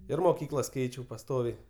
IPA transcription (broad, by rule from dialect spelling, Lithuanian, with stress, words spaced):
ɪr moːˈkʲiːklˠɐs ˈkʲɛɪt͡ʃʲɛʊ pɐˈstoːʋʲɛɪ